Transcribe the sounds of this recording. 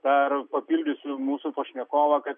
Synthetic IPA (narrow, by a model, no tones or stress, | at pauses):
d̪̥ɐɾpɐpʲiːlʲdʲʊsʲʊmuːsʊpɐʃʲnʲɛkoːʋɐkɐt̪